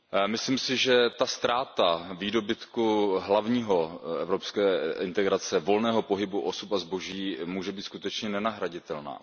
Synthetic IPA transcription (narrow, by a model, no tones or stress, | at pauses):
mɪsliːmsɪʒɛt̪ast̪ɾaːt̪aviːdo̞bɪt̪kuɦlavɲiːɦo̞ɛvɾo̞pskɛːɪnt̪ɛɡɾat͡sɛvo̞lnɛːɦo̞po̞ɦɪbuʔosupazboʒiːmuːʒɛbiːt̪skut̪ɛt͡ʃɲɛnɛnaɦɾaɟɪt̪ɛlna̰ː